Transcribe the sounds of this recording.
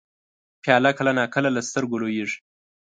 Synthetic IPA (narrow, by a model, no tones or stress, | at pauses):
pʰjɑlakəlanɑkəlalast̪əɾɡolojiʐ